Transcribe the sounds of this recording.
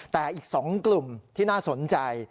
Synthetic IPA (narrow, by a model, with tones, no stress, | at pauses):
t̪ɛː˨˩ʔiː˨˩k̚sɔː˩˦ŋklu˨˩mt̪ʰiː˥˩naː˥˩so˩˦nt͡ɕa˧j